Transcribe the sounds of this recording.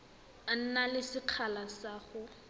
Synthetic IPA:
an̩nalɪsɪq͡χʰalasaːχʊ

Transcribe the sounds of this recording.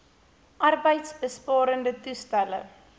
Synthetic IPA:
ʔɐrbəjtsbəspɑːɾəndətustælə̰

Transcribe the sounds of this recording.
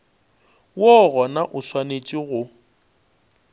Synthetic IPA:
wɔɣɔnaʔʊswanet͡ʃʼiɣʊ

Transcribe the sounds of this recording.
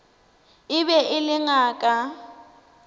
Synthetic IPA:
ɪbɛʔɪlɪŋaːkʼa

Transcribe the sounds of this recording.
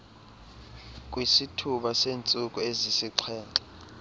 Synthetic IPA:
kʼwisitʰuɓaseːnt͡sʼukʼuezisiǀʰɛːntʼḁ

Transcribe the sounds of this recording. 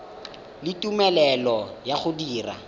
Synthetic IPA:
lɪtʼumɛlɛlɔjaχʊdiːra̰

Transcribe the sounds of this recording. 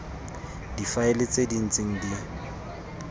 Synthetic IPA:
difaelɪt͡sʼedin̩t͡sʼeŋ̩di

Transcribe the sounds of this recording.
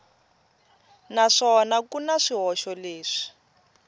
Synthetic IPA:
naʂɔnakunaʂiɦɔʃɔleːʂi̥

